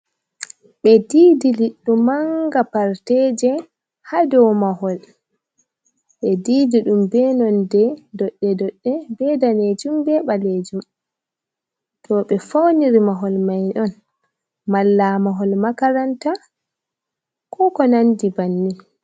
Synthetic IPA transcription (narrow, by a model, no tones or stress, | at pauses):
ɓɛdiːdiliɗːumaŋɡapaɾtɛd͡ʒɛ | hadɔwmaɦɔl | ɓɛdiːdiɗumbɛnɔndɛdɔɗːɛdɔɗːɛbɛdaned͡ʒumbɛɓaled͡ʒum | tʰɔɓɛfowniɾimaɦɔlmajɗɔn | malːamaɦɔlmakaɾanta | kʰɔkɔnandibanːi